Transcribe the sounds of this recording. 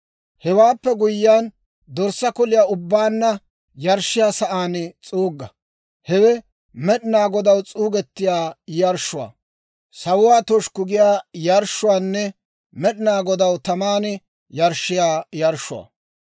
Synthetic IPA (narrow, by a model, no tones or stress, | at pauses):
hɛwaːpːɛɡʊjːɪaːn | d̪ɔɾsːɐkɔlɪjaːʊbːaːnːɐ | jɐɾʃːɪjaːsɐʔaːnt͡sʼuːɡːɐ | hɛwɛ | mɛɗɪnaːɡɔd̪ɐwt͡sʼuːɡɛt̪ːɪjaːjɐɾʃʊwa̰ː | sɐwʊwaːt̪ɔʃkʊɡɪjaːjɐɾʃːʊwaːnːɛ | mɛɗɪnaːɡɔd̪ɐwt̪ɐmaːn | jɐɾʃːɪjaːjɐɾʃːʊwa̰ː